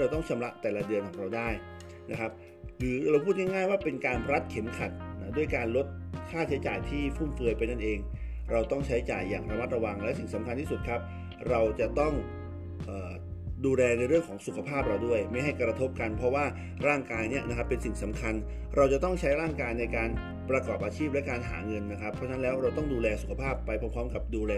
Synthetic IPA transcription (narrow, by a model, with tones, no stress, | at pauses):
ɾa˧wt̪ɔ˥˩ŋt͡ɕʰa˧mla˦˥ʔt̪ɛː˨˩la˦˥dɯ˧ənkʰɔː˩˦ŋɾa˧wdaː˥˩j | na˦˥kʰp̚ | lɯː˩˦ɾa˧wpʰu˥˩ŋa˥˩ŋaː˥˩jwaː˥˩pe˧nkaː˧nɾa˦˥t̪̚kʰe˨˩˦mkʰa˨˩t̪̚na˦˥du˥˩əjkaː˧nlo˦˥t̪̚t͡ɕʰaː˦˥˩t̪̚t͡ɕʰa˨˦jt͡ɕa̰ː˨˩jt̪ʰiː˥˩fʰuː˥˩nfɯ˧jpa˧jna˥˩nʔeː˧ŋ | ɾa˧wt̪ɔ˥˩ŋt͡ɕʰa˦˥jt͡ɕa̰ː˨˩jːaː˨˩ŋɾa˧ma˦˥t̪̚ɾa˧wa˧ŋlɛː˦˥si˨˩ŋsa˩˦mkʰa˧nt̪iː˥˩su˨˩t̪̚kʰa˦˥p̚ | ɾa˧wt͡ɕa˨˩ʔt̪ɔ˥˩ŋ | ʔɤː˨˩ | duː˧lɛː˧na˧jɾɯ˥˩əŋkʰɔː˩˦ŋsu˨˩kʰa˧pʰaː˥˩p̚ɾa˧wdu˥˩əjma˥˩jɦa˥˩jkɾa˧t̪ʰo˦˥p̚ka˧npʰɾɔ˦˥waː˥˩ | ɾaː˥˩ŋkaː˧jni˦˥ɐʔna˦˥kʰa˦˥pːe˧nsi˨˩ŋsa˩˦mkʰa˧n | ɾa˧wt͡ɕa˨˩t̪ɔ˥˩ŋt͡ɕʰa˦˥jɾaː˥˩ŋkaː˧jna˧jkaː˧n | pɾa˧kɔː˨˩p̚ʔaː˧t͡ɕʰiː˥˩p̚lɛ˦˥kaː˧nɦa̰ː˩˦ŋɤ˧nːa˦˥kʰɾa˦˥pʰːɔ˦˥t͡ɕʰa˦˥nlɛː˦˥wɾa˧wt̪ɔ˥˩ŋduː˧lɛː˧su˨˩kʰa˧pʰaː˥˩pːa˧jpʰɔː˧˥mpʰɾɔː˦˥mka˨˩p̚duː˧lɛː˧